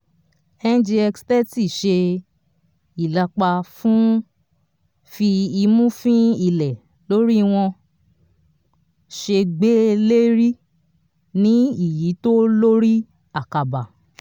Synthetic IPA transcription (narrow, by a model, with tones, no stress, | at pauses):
ɛ˦˧n˦d͡ʒi˧ɛ˧kstɛ˦ti˦˨ʃe˧ | i˨la˧k͡pa˧fũ˦ | fi˧i˧mũ˦fĩ˦i˧˨lɛ˨ | lo˦ɾi˦˧w̃ɔ̃˧ | ʃe˧ɡ͡be˦le˦ɾi˦ | nĩ˦i˦˨ji˨˦to˦lo˦ɾi˦ | a˦˨ka˨ba˨